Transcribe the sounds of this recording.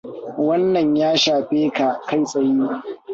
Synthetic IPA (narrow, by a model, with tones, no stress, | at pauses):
wɐ˦nːɐ˨ɲjaː˦ʃaː˨ɸeː˦ka˨ʔka˦jsʼɐ˨jiː˦